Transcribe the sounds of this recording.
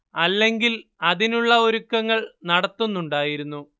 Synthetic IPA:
ɐlːe̞ŋɡilɐðinuɭːɐoɾukːɐŋːɐɭnɐɽɐt̪ːunːuɳɖaːjiɾunːu

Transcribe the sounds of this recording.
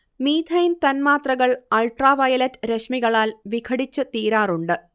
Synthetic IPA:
miːd̪ʱʰɐjnt̪ɐnmaːt̪rɐɣɐɭɐlʈraːʋɐjɐlɐtːɾeʂmiɣɐɭaːlʋikʰɐɽit͡ɕːɨt̪iːɾaːruɳɖɨ

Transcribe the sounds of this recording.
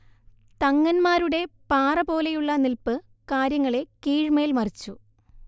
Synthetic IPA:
t̪ɐŋːɐnmaːɾuɽe̞paːrɐbo̞ːlejuɭːɐnilpɨ | kaːɾjɐŋːɐɭe̞kiːɻmeːlmɐrit͡ɕːu

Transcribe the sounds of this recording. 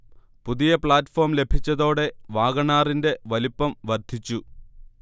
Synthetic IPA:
puðijɐpɭaːtːfo̞ːrmle̞bʱit͡ɕːɐðo̞ːɽe̞ʋaːɣɐɳaːrinde̞ʋɐlipːɐmʋɐrd̪ʱit͡ɕːu

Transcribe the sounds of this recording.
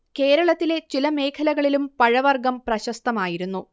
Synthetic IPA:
ke̞ːɾɐɭɐt̪ːile̞t͡ɕilɐme̞ːkʰɐlɐɣɐɭilumpɐɻɐʋɐrɡɐmprɐɕɐst̪ɐmaːjiɾunːu

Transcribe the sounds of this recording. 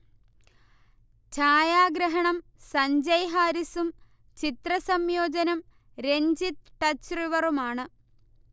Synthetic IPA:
t͡ɕʰaːjaːɡɾɐɦɐɳɐmsɐɲd͡ʑɐjɦaːɾisum | t͡ɕit̪rɐsɐmjoːd͡ʑɐnɐm | ɾeɲd͡ʑit̪ʈɐt͡ɕriʋɐrumaːɳɨ

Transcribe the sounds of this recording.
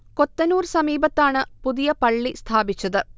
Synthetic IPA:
ko̞t̪ːɐnuːrsɐmiːbɐt̪ːaːɳɨpuðijɐpɐɭːist̪ʰaːbit͡ɕːɐðɨ

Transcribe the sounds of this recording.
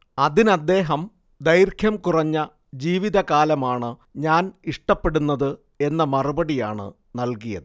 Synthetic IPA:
ɐðinɐd̪ːe̞ːɦɐm | d̪ɐjrkʰjɐmkurɐɲːɐ | d͡ʑiːʋiðɐkaːlɐmaːɳɨɲaːniʂʈɐpːe̞ɽunːɐðɨ | e̞nːɐmɐrubɐɽija̰ːɳɨ̰ | nɐlkijɐ̰ðɨ

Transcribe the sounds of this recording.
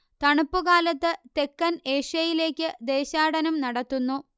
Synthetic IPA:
t̪ɐɳupːuɣaːlɐt̪ːɨt̪e̞kːɐneːʂɐjile̞ːkʲːɨd̪e̞ːɕaːɽɐnɐmnɐɽɐt̪ːunːu

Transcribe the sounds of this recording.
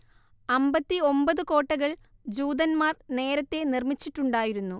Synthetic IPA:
ɐmbɐt̪ːio̞mbɐðɨko̞ːʈːɐɣɐɭ | d͡ʑuːd̪ɐnmaːrne̞ːɾɐt̪ːe̞nirmit͡ɕːiʈːuɳɖaːjiɾunːu

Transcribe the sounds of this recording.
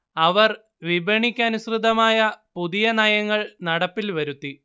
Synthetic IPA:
ɐʋɐr | ʋibʱɐɳikʲːaːnusrɨd̪ɐmaːjɐpuðijɐnɐjɐŋːɐɭnɐɽɐpːilʋɐɾut̪ːi

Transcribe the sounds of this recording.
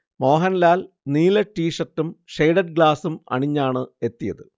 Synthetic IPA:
mo̞ːɦɐnlaːl | niːlɐʈːiːʂɐtːumʂejɽɐɖ̚ɡɭaːsumɐ̰ɳiɲːaːɳɨe̞t̪ːijɐðɨ

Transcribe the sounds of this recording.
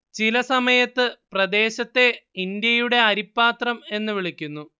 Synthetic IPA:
t͡ɕilɐsɐmɐjɐt̪ːɨprɐd̪e̞ːɕɐt̪ːe̞ind̪jɐjuɽe̞ɐɾipːaːt̪rɐme̞nːɨʋiɭikʲːunːu

